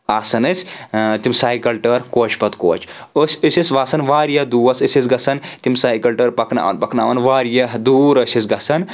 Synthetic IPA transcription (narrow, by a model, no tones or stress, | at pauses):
aːsɐnɐsʲt̪imsaːjikɐlʈɐɾkoːt͡ʃʰpɐt̪ko̰ːt͡ʃəsʲisʲisʲʋaːsɐnʋaːɾjɐd̪uːʋɐsisʲisɡɐsɐnt̪imsaːikɐlʈɐɾpɐkna̰ːʋɐ̰npɐkna̰ːʋɐnʋaːɾijɐɦd̪uːɾɐsʲis̬ɡɐsɐn